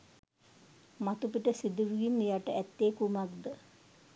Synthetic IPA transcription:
mat̪upiʈəsid̪uʋiɡinːijaʈəʔæt̪ːeːkumak̚d̪ə

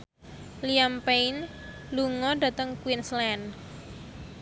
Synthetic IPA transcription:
liampein | luŋɔɖä̤t̪əŋkwinslɛn

